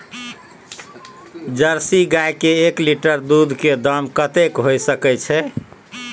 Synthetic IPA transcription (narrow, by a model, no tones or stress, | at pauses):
d͡ʒəɾsiɡajkeːkliʈəɾd̪ud̪ʱked̪əmkət̪ekɦojsəkɛt͡ʃʰɛ